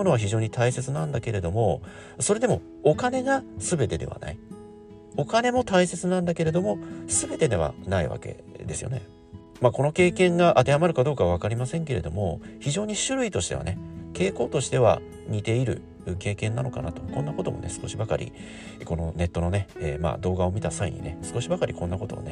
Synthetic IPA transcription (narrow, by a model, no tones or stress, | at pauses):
ono̞β̞açiʑo̞ːɲ̟it̪aise̞t͡sɨnãnd̪ake̞ɾe̞d̪o̞mo̞ | so̞ɾe̞d̪e̞mo̞̰ | okane̞ɡasɨbe̞t̪e̞d̪e̞̰βa̰na̰i | o̞kane̞mo̞t̪aise̞t͡sɨnãnd̪ake̞ɾe̞d̪o̞mo̞sɨbe̞t̪e̞d̪e̞βa̰naḭβa̰kḛ | d̪e̞sɨjo̞̰ne̞ | mako̞no̞ke̞ːkẽ̞ŋɡaʔat̪e̞hamaɾɯ̟kad̪oːkaβaβakaɾʲimasẽ̞ŋke̞ɾe̞d̪o̞mo̞̰çiʑo̞ːɲ̟iɕɨɾɯ̟it̪o̞ɕi̥t̪e̞βa̰ne̞ke̞ːko̞ːt̪o̞ɕi̥t̪e̞βa̰ | ɲ̟it̪e̞iɾɯ̟̰ | ɯke̞ːkẽ̞nːano̞ka̰nat̪o̞̥konːako̞t̪o̞̰mo̞̰ne̞̰sɨ̥ko̞ɕibakaɾʲʔḭ | ko̞no̞ne̞t̪ːo̞no̞ne̞ḛːma̰ːd̪o̞ːɡao̞mʲit̪asaḭɲ̟ḭnesɨ̥ko̞ɕibakaɾʲikõ̞nːako̞t̪o̞̰a̰ne